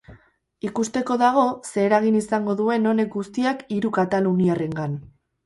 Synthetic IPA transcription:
ikust̪e̞ko̞ðaɣ̞o̞se̞ːɾaɣ̞inisaŋɡo̞ðue̞no̞ne̞k̚ɡust̪iakiɾukat̪aluniare̞ŋɡan

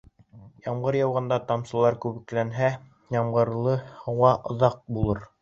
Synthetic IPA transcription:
jɑmʁɤɾjɑwʁɑ̆nd̪ɑt̪ɑmsɤ̆lˠɑɾkʉβɘ̆klænɦæ | jɑmʁɤ̆ɾlˠɤhɑwʁɑʔŏðɑq̚bulˠɤɾ

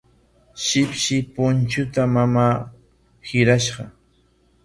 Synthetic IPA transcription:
ʃɪpʃɪpʊnt͡ʃʊt̪amamaː | hɪɾaʃɢɑ

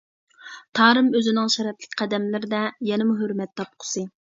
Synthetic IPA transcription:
t̪ʰɑːɾɨmøzɪnɪŋʃɛɾɛt̪lɪkʲqʰæd̪ɛmlɪɾɪd̪ɛjɛnɪmuɦøɾmɛt̪ʰːɑp̚qʰʊ̥sɨ

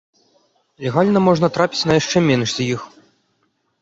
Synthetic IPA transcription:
lʲɛɣalʲnɐmɔʐnɐt̪ɾapʲi̥t͡sʲnɐjaʂt͡ʂɛmʲenʂzʲɐjix

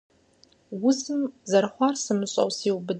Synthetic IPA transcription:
wʊzɨmzɐrχʷɑrsɨmɨɕʼɐ̰wsiːwbɨd

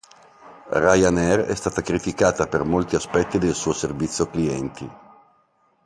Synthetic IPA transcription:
rajanɛrɛ̰st̪aːt̪akɾit̪ikaːt̪apermolt̪iaspɛt̪ːid̪elsuːoservit̪sːjokliɛnt̪ʰḭ

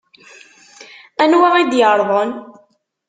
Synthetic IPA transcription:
ænwaid̪jəɾˤðˤən

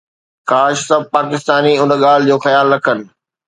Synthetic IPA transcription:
kaːʃsɐb̚ʱpaːkɪst̪aːniʊnəɠaːl̤d͡ʑoːxɐjaːlːɐkʰənɪ̆

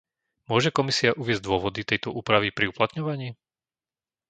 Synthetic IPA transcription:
mʊɔʒɛkɔmisiaʔuʋɪɛz̚d̪ʊɔʋɔd̪it̪ɛjt̪ɔʔuːpɾaʋipɾiuplat̪ɲɔʋaɲiː

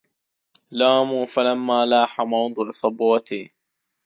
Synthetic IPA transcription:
laːmuːfalamːaːlaːħamɑwd̪ˤɨʔsˤɑbwɑt̪i

